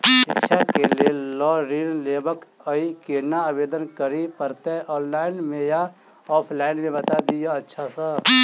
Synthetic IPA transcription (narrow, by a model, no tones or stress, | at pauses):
ʃɪkʃakelielɔːɾiːnleːbəkəikenaabeːd̪ənkəɾipəɾt̪ɛɔːnlaːɪnmẽja | ɔːpʰlaːɪnmẽbɐt̪ad̪ijaɐtːʃʰasə